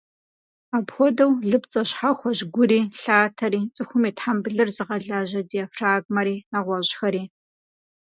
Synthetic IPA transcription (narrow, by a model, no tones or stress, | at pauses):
aːpxʷɔdɐwɮɨpt͡sʼɐɕħaxʷɔʑɡʷʊɾiːɬaːtʰɐɾiːt͡sʼɨxʷʊmiːtħambɨɮɨrzɨʁɐɮaːʑɐdiɐfraːɡmɐɾiːaʁʷɐɕxɐɾiː